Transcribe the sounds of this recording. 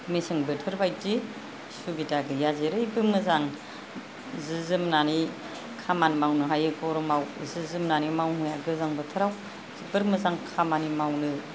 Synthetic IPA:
mesɯŋbɯtʰɯɾbajti | subitaɡɯjazeɾɯjbɯmɯzaŋ | zɯzɯmnani | kʰamanmawnɯɦajɯkɔɾɔmawzɯzɯmnanimawmujaɡɯzaŋbɯtʰɯɾaw | zibɯɾmɯzaŋkʰamanimawnɯ

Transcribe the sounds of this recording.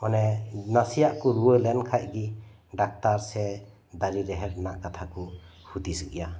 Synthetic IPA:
manenasijaʔkuɾuəlɛnkʰaʔ̚ɡi | ɖak̚taɾsɛ | d̪aɾiɾeɦɛɾnaʔkat̪ʰakuhud̪isɯʔja

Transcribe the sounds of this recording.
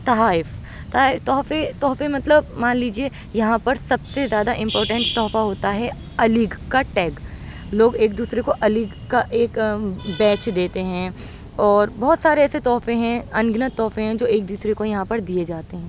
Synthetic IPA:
t̪ɐɦaːɪf | t̪aɪt̪ɔːfet̪ɔːfemɐt̪ləbmaːnliːd͡ʒieː | jɐɦãpɐɾsɐbsezjaːd̪aʔɪ̃mpɔːɾʈə̃ɳʈt̪ɔːfaɦoːt̪aɦɛ | ɐlɪɡkaʈɛːɡ | loːɡeːk̚d̪uːsɾekoʔɐlɪɡ | kaʔeːkbɛːt͡ʃd̪eːt̪eɦɛ̃ | ɔːɾbɔɦʊt̪saːɾeɛːset̪ɔːfẽɦɛ̃ɐ̃nɡnət̪ɔːfẽɦɛ̃d͡ʒoːeːk̚d̪uːsɾekojɐɦãpɐɾd̪ied͡ʒaːt̪eɦɛ̃ː

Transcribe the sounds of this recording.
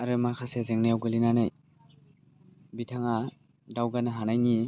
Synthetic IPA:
aɾɛmakʰasɛzɛŋnɛjawɡɯlinanaj | bitʰaŋa | dawɡanaɦanajni

